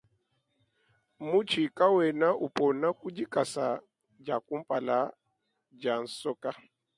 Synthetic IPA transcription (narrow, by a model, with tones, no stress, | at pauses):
mu˦t͡ʃi˨ka˦wɛ˨na˦ʔu˨pɔ˨na˦ku˦d͡ʒi˦ka˨sa˨ | d͡ʒa˨ku˦m̩˦pʼa˨la˨˦ | d͡ʒa˨n̩˨sɔ˦ka˦